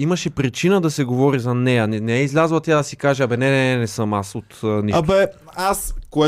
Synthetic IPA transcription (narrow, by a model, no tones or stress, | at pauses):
imɐʃɛpɾit͡ʃinəd̪ɐsɛɡovɔɾizɐnɛjɐnɛnɛɛizlʲazlˠɐt̪ʲjad̪ɐsikaʒɛɐbɛnɛnɛnɛsɤmasot̪niʃɐbɛ | askoɛ